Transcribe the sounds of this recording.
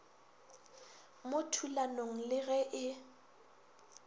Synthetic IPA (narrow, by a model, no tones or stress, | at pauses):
motʰulanoŋ̩lɪɣɛʔɪ